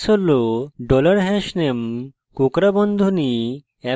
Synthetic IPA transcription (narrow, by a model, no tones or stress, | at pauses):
soloɖɔlaɾɦɛʃnem | kokɾabɔnd̪ʱoni | ɛ